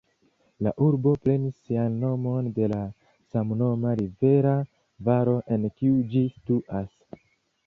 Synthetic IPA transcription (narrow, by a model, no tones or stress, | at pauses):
laʔuɾbo̞pɾe̞nisːianːo̞mo̞nde̞la | samno̞maɾive̞ɾa | vaɾo̞ʔe̞nkiud͡ʒistuʔas